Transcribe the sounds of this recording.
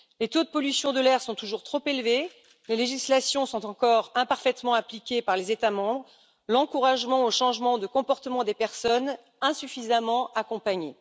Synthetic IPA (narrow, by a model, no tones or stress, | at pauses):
let̪od̪əpɔlysjɔ̃d̪əlɛʁsɔ̃t̪uʒuʁt̪χopelve | leleʒislasjɔ̃sɔ̃t̪ɑ̃kɔʁɛ̃paʁfɛt̪mɑ̃aplikʲepaʁlezet̪amɑ̃bʁ | lɑ̃kuʁaʒmɑ̃oʃɑ̃ʒmɑ̃d̪əkɔ̃pɔʁt̪əmɑ̃d̪epɛʁsɔn | ɛ̃syfizamɑ̃akɔ̃paɲe